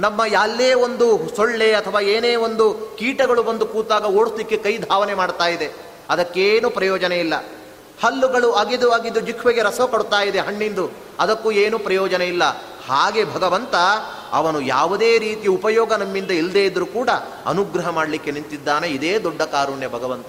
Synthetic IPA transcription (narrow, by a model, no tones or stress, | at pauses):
nɐmːɐjaːlːeːond̪usoɭːe̞ɐt̪ʰɐʋaːeːneːond̪ukiːʈɐɡɐɭubɐnd̪ukuːt̪aːɡɐoːɽuslikːekɐjd̪ʱaːʋɐnemaːɽt̪aːjid̪e | ɐd̪ɐkːeːnupɾɐjɔːd͡ʒɐneilːɐ | hɐlːuɡɐɭuɐɡid̪uɐɡid̪ːud͡ʒikʰʋeɡe̞ɾɐsɐkoɽut̪aːjid̪e̞ɦɐɳːind̪u | ɐd̪ɐkːueːnupɾɐjɔːd͡ʒɐneilːɐ | haːɡe̞bʱɐɡɐʋɐnt̪ɐ | ɐ̰ʋɐnuja̰ːʋud̪e̞ːɾiːt̪ijupɐjɔːɡɐnɐmːind̪ɐild̪eːjid̪ɐɾukuːɽɐ | ɐ̰nuɡɾɐɦɐmaːɽɐlikːenint̪id̪ːaːne̞id̪eːd̪ɔɖːɐkaːɾuːɳjɐbʱɐɡɐʋɐnt̪ɐ